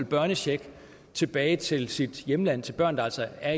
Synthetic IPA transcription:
lb̥ɶɐnəɕeɡ̥ | t͡sʰe̝b̥ɛːɪt͡sʰe̝lsid̥jemlæn̰t͡sʰe̝lb̥ɶɐ̰nd̥ɑæ̰lsɐæɐ

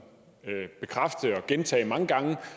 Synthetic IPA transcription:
b̥e̝kʰʁafd̥əɒ̽ɡ̥ent͡sʰɛ̰ːmɑ̈ŋəɡ̥ɑ̈ŋə

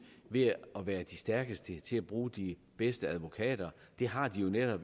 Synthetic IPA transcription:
ʋe̝ɒʋæːɐd̥isd̥æɐɡ̥əsd̥ət͡sʰe̝læb̥ʁuːd̥i | b̥esd̥əæð̞ˠʋo̝kʰɛ̰ːd̥ɐ | d̥e̝ɦɑ̈d̥ijo̝neɾ̥ɒ̽b̥

